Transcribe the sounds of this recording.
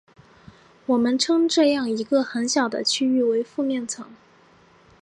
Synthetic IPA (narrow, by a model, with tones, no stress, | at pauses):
wɔ˨˩mə˦nʈ͡ʂʰɤ˥ŋʈ͡ʂɤ˥˧jɑ˥˩ŋi˧˥ɡə˧xə˧˥nɕjɑ˨˩ʊd̪ə̰˦t͡ɕʰy˥y˥˩we˧˥ɪfu˥˧mjɛ˥˩nt͡sʰɤ˧˥ŋ